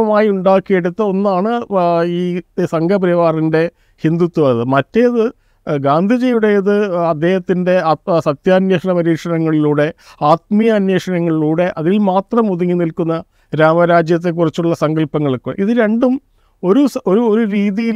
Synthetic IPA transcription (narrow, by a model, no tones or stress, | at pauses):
ɐmaːjiuɳɖaːkːije̞ɽut̪ːɐo̞nːaːɳɨiːsɐŋɡʱɐpɾɐʋaːrinde̞ | hind̪ut̪ːuɐðɨmɐtːe̞ɐðɨ | ɡaːnd̪ʱid͡ʑejuɽe̞ɐðɨɐd̪ːe̞ːhɐt̪ːinde̞ɐsɐt̪jaːnjeːʂɐɳɐpɐɾiːkʂɐnɐŋːɐɭiluːɽe̞aːt̪̚mijɐːnwe̞ːʂɐnɐŋːɐɭiluːɽe̞ʔɐðilmaːt̪rɐmuðuŋːinilkunːɐ | ɾaːmɐɾaːd͡ʑjɐt̪̬ːe̞k̬ːurit͡ɕːuɭːɐsɐŋɡɐlpɐŋːɐɭkːuiðɨɾe̞ɳɖum | o̞ɾuso̞ɾuoɾuɾiːðijil